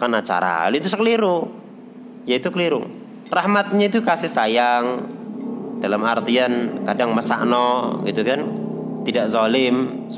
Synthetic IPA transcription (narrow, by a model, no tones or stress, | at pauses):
kanat͡ʃa̰ɾa̰luit̪usəkəliɾu | jait̪ukəliɾṵ | rahmat̪̚ɲait̪ukasɪhsajaŋ | d̥alamart̪iankadaŋməsa̰ʔnɔɡit̪ukan | t̪idaʔzɔlɪm